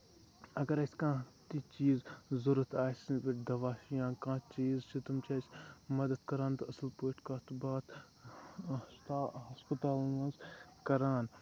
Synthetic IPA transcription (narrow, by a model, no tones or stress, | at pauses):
ɐɡɐɾɐsʲkãːt̪it͡ʃiːzzʊɾɐt̪aːsnʋɐʈd̪ɐʋaːʃjãːkãːt͡ʃiːzt͡ʃʰit̪ɐmt͡ʃʰaːt͡ʃmɐd̪əd̪kɐɾaːnt̪oɐslpoːɪʈkaːt̪ubaːt̪ | ɦɐspət̪aːlnãːzkɐɾaːn